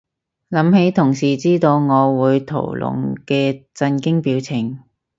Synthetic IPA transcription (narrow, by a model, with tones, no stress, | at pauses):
lɐ˨˥mhe˨˥jt̪ʰʊ˨˩ŋsiː˨˩t͡siː˥t̪o˧wŋɔː˨˧wuː˨˧jt̪ʰo̰˨˩wlʊ̰˨˩ŋkɛː˧t͡sɐ˧nkɪ˥ŋpiː˨˥wt͡sʰɪ˨˩ŋ